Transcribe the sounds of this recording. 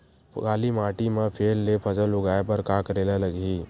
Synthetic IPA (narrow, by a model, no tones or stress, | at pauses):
ɡaːlimaːʈimepʰelːepʰəd͡ʒəlʊɡaepəɾkakəɾelələɡi